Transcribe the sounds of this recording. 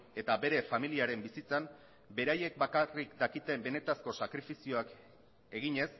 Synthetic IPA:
e̞t̪abe̞ɾe̞familiaɾe̞mbisit͡sam | be̞ɾaje̞k̚bakarikd̪akit̪e̞mbe̞ne̞t̪asko̞sakɾifisio̞ak | e̞ɣiɲe̞s

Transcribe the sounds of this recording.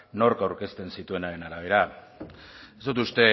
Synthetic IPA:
no̞ɾkawɾke̞st̪e̞nsit̪ue̞naɾe̞naɾaβ̞e̞ɾa | e̞zd̪ot̪ust̪e̞

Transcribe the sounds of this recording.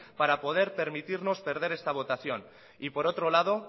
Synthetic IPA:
paɾapo̞ð̞e̞ɾpe̞ɾmit̪iɾno̞spe̞ɾð̞e̞ɾe̞st̪aβ̞o̞t̪aθjo̞n | ipo̞ɾo̞t̪ɾo̞lað̞o̞

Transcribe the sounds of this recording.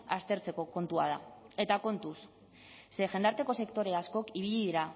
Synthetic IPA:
ast̪e̞ɾt͡se̞ko̞ko̞nt̪ua̰ð̞a̰e̞t̪ako̞nt̪us | se̞ʝe̞nd̪aɾt̪e̞ko̞se̞kt̪o̞ɾe̞asko̞kiβ̞iʎiðiɾa

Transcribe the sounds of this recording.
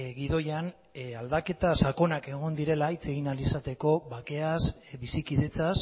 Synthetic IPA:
ɣiðo̞jan | ald̪ake̞t̪asako̞nake̞ɣ̞o̞nd̪iɾe̞lait͡se̞ɣinalisat̪e̞ko̞βake̞asbisikiðe̞t͡sas

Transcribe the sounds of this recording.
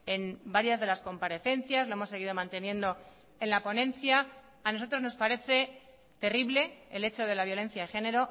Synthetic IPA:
enbaɾjazðe̞lasko̞mpaɾe̞θe̞nθjazlo̞emo̞se̞ɣiðomãnt̪e̞nje̞nd̪o̞ | e̞nlapo̞nẽ̞nθja | ano̞so̞t̪ɾo̞zno̞spaɾe̞θe̞ | t̪e̞riβle̞ele̞t͡ʃo̞ð̞e̞laβjo̞lẽ̞n̟θjaexe̞ne̞ɾo̞

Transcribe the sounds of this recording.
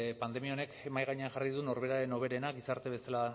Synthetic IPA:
pand̪e̞miao̞ne̞kemajɣaɲeanʝariðuno̞ɾβe̞ɾaɾe̞no̞β̞e̞ɾe̞naɡisaɾt̪e̞βe̞sala

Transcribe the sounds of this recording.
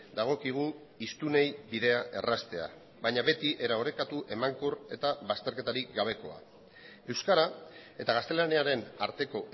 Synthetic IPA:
d̪aɣ̞o̞kiɣ̞u | ist̪unejbiðe̞aʔe̞̰rast̪e̞a̰ | βajɲaβe̞t̪iʔe̞ɾao̞ɾe̞kat̪uʔe̞maŋkore̞t̪aβast̪eɾket̪aɾikɡaβ̞e̞ko̞a̰ | e̞wskaɾae̞t̪aɣast̪e̞laniaɾe̞naɾt̪e̞ko̞

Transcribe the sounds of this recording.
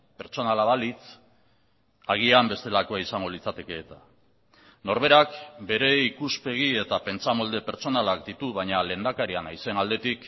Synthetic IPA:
pe̞ɾt͡so̞nalaβalit͡s | aɣ̞iambe̞st̪e̞lakoaisaŋɡo̞lit͡sat̪e̞ke̞ːt̪a | no̞ɾβe̞ɾakbe̞ɾe̞ikuspe̞ɣ̞ie̞t̪ape̞nt͡samo̞ld̪e̞pe̞ɾt͡so̞nalakd̪it̪uβ̞aɲale̞ːnd̪akaɾianajse̞nald̪e̞t̪ik

